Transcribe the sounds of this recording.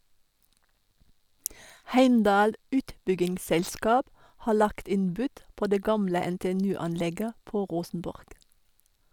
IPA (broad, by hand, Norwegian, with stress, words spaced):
ˈhæɪmdɑːl ˈʉːtbʏɡɪŋsˌsɛlskɑːp ˈhɑː ˈɭɑkt ˈɪn ˈbʉd ˈpoː ˈdeː ˈɡɑmlə ɛnteːɛˈnʉː ˈɑnˌlɛɡə ˈpoː ˈʁuːsənbɔʁɡ